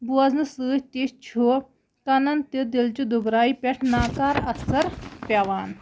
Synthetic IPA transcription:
buɐznɨsɨːht̪ist͡ʃʰu | kɐnɐnt̪id̪ilt͡ʃud̪ubɾaːipʲeʈʰnaːkaːɾɐsɐɾpʲaʋaːn

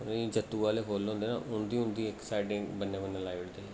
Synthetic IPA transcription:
nid͡ʒət̪ːuːʋaːleːkʰoːlõːnd̪eːnã̰ːʔʊnd̪iːʊnd̪iːɛksaːɪʈɪ̃ŋbənːẽːbənːẽːlaːɪʋɽd̪eː

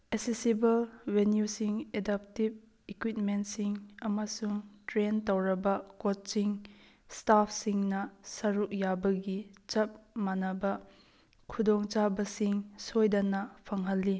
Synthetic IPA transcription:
esesibɐlwenjusiŋedap̚tib̚ | ikwit̚mentsiŋɐmɐsuŋtɾentɐwɾɐbɐkot̚t͡ʃiŋ | stapʰsiŋnɐsɐɾuk̚jabɐɡit͡ʃɐp̚manɐbɐ | kʰudɔŋt͡ʃabɐsiŋsojdɐnɐpʰɐŋɦɐlːi

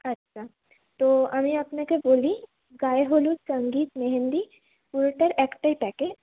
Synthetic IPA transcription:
ɐtːʃʰa | t̪oɐmeapnekeboːli | ɡaːeɦolusɐ̃ŋɡiːt̪meɦə̃nd̪i | ʊlʈəɾɛːkʈaipɛːked͡ʒ

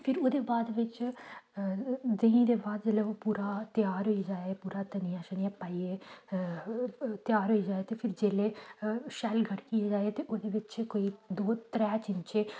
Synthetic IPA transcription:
pʰɪɾoːd̪eːbaːd̪ʋɪt͡ʃ | d̪eĩːd̪eːbaːd̪ləopuːɾaːt̪ɪjaːɾɦoid͡ʒaːeːpuːɾaːt̪əniãːʃəniapːaːieː | t̪ɪjaːɾɦoiːd͡ʒaːeːt̪eːpʰɪɾd͡ʒeːleːʃɛːlɡʱəɽkieːd͡ʒaːeːt̪eːʔod̪eːʋɪt͡ʃkoːiːd̪oːt̪ɾɛːt͡ʃɪnt͡ʃeː

